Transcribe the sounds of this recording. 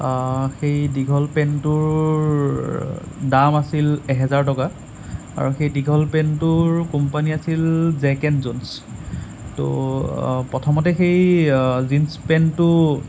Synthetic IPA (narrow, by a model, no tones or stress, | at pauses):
xejdiɡʱɔlpɛntʊɹ | damasilɛɦɛzaɹtɔka | a̰ɹuxejdiɡʱɔlpɛntʊɹkumpaniasilzɛkɛnzuns | to̰ | pɔtʰɔmɔtɛxejzinspɛntʊ